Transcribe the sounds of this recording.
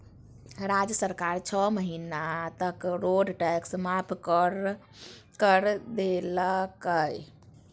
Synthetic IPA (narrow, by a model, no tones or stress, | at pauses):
ɾad͡ʒəsəɾkaɾt͡ʃʰəməɦinat̪əkɾoɖʈɛksmapʰkɾ | kəɾd̪eləkəj